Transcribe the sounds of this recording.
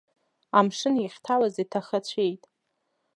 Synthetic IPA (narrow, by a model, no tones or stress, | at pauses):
amʂɨniχʲtʰawazitʰaχat͡ɕʷʰe̞jtʼ